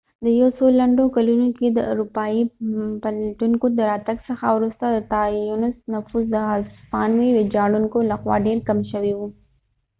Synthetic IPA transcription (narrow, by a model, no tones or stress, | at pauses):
d̪əjawsolaɳɖokalunoked̪əʔʊ̰ɾupɑipalaʈuŋkod̪əɾɑt̪aɡsəxawɾust̪ad̪ət̪ɑjunɪsnafuzd̪əazfɑnwiwed͡ʒɑɽuŋkolaxwɑ̰ɖeɾkamʃəwiwu